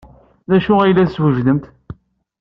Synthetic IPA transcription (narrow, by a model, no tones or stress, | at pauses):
ðæʃuæjlːæθswəʒðəmt̪